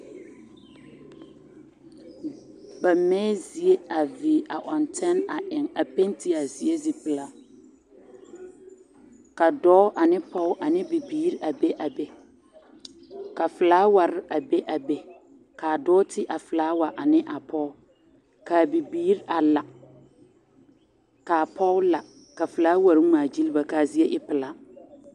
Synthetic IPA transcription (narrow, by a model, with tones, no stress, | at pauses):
ba˨mɛː˦zi˨e˦a˨vi˨ʔa̰˨ʔɔ˨ntʰɛ˦na˨ʔɪ˨ŋa˨pe˦nti˦a˨zi˨e˦zi˨pɪ˦˨la˦ | ka˨dɔː˦ʔa˨nɪ˦pɔ˦ʔa˨nɪ˦bi˨biː˦ɾa˨be˦ʔa˨be˦ | ka˨fɪ˨laː˦wa˨ɾɪ˦a˨be˦ʔa˨be˦ | kaː˨dɔː˦tɪ˦ʔa˨fɪ˨laː˨˦wa˨ʔa˨nɪ˦ʔa˨pʰɔ˦ʊ˦ | ka˨bi˨biː˦ɾa˨la˨ | kaː˨pʰɔ˦la˨ | ka˨fɪ˨laː˦wa˨ɾmaː˨d͡ʒi˦lba˨ka˨zi˦e˦ʔɪ˦pɪ˨la˨